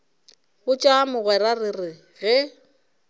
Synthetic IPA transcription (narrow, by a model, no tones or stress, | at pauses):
ɣʊt͡ʃʼamʊɣwɛɾarɪrɪ | ɣɛ